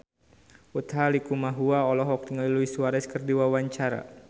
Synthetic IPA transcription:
ut̪halikumaɦuaɔlɔɦɔk̚t̪iŋaliluisuaɾɛskərdiwawaɲt͡ʃaɾa̰

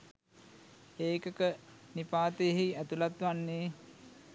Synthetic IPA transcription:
eːkəkənipaːt̪ejɦiæt̪ulat̪ʋanːeː

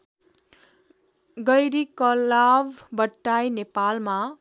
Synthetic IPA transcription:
ɡʌjɾikʌlabbʌʈːajnepalma

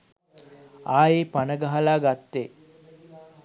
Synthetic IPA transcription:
aːjeːpanəɡaɦalaːɡat̪ːe

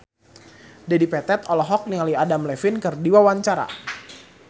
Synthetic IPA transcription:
dadipɛt̪ɛt̪ɔlɔɦɔk̚niŋaliadamlɛfɪnkɨrdiwawaɲt͡ʃaɾa̰

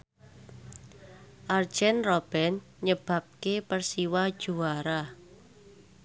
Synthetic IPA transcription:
ʔard̥ʒ̥ɛnrob̥ɛn | ɲəb̥a̤p̚kepərsiwad̥ʒ̥uaɾa

